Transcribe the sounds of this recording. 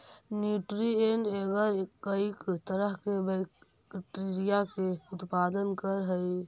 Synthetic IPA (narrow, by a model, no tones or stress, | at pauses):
njuʈɾieɳɖeɡəɾkəɪkt̪əɾəɦkebɛɪk | ʈeɾijakeʊt̪paːd̪ənkəɾɦəj